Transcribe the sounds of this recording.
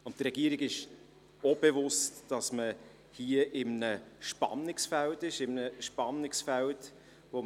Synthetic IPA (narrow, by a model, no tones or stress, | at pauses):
ʊnttɾɛɡ̥iəɾiɡɪʃ | ob̥evʊstd̥ɑsmə | hiəʔɪmnəʃpɑ̰nːɪksfæltɪʃɪmənəʃpɑnːɪksfælt | vo